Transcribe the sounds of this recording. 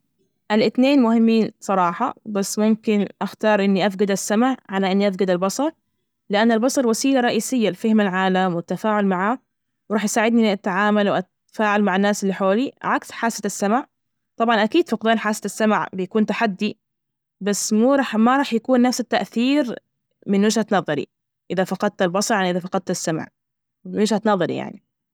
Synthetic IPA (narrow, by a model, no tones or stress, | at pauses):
ʔalʔɪt̪neːnmʊhɪmːiːnsˤɑɾˤɑːħɑ̰basːmʊmkɪnʔaxt̪ɑːɾˤʔɪnːiʔafɡad̪asːamaʕʕalaʔɪnːiʔafɡad̪albɑsˤɑɾˤ | lɪʔanːalbɑsˤɑɾˤwasiːlaɾˤɑʔiːsɪjːalfɪhmalʕaːlamwɪt̪ːafaːʕʊlmaʕaː | wɾɑːħjsaːʕɪd̪niʔʔat̪ːaʕaːmalwʔat̪ | faːʕalmaʕanːaːsɪlːiħoːliʕaksħaːsaasːamaʕ | t̪ˤɑbʕɑnʔakiːd̪fɑqd̪aːnħaːsaasːamaʕbɪjakuːnt̪aħad̪ːi | basːmuːɾˤɑːħmaɾˤɑːħjakuːnːafsat̪ːaʔθiːɾ | mɪnwɪːʒhat̪nɑːðˤɑɾḭ | ʔɪðafɑqɑd̪̚t̪albɑsˤɑɾˤʔaniʔɪðafɑqɑd̪̚t̪asːam̰ʕ | wɪʒhat̪nɑːðˤɑɾḭja̰ʕni